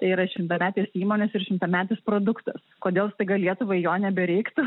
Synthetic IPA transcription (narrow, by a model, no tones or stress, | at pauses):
t̪ɐɪiɾɐʃʲɪmt̪ɐmʲæːt̪ʲeːsiːmoːnʲɛsɪɾʃʲɪmt̪ɐmʲæːt̪ʲeːspɾoːd̪ʊkt̪ɐskoːd̪ʲeːlˠst̪ɐɪɡɐlʲiɛt̪ʊʋɐɪjoːnʲɛbʲɛɾʲɛɪkt̪ʊ